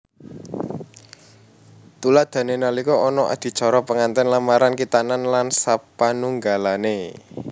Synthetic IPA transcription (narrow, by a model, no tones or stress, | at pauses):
t̪ulad̪̥a̤nenalikɔɔnɔʔa̰d̪̥i̤t͡ʃɔɾɔpəŋant̪ɛnlamaɾankit̪ananlansapanuŋɡalane